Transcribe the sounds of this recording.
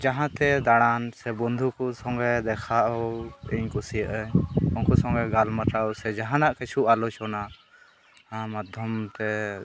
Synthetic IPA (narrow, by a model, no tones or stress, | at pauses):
d͡ʒaɦãt̪ɛd̪aɽansɛbɔnd̪ʱukɔsɔŋɡɛd̪ɛkʰaʔɔiɲkusijəʔɛɔnkɔsɔ̃ŋɡɛɡalmat̪aɔsɛd͡ʒaɦãnaʔkɛt͡ʃʰuʔalɔt͡ʃɔna | ãmad̪ʱjɔmt̪ɛ